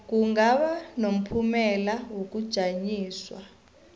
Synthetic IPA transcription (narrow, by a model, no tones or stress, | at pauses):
k̬ʼuŋɡaɓanom̩pʰumɛlawok̬ʼud̥ʒ̥ʱaɲiːswa̰